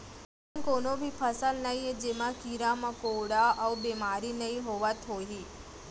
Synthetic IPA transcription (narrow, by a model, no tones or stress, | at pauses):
ənkonobʱipʰəsəlnəɦĩed͡ʒemãkiɾamãkoɽaəubemaɾinəĩɦoʋat̪ʰoɦi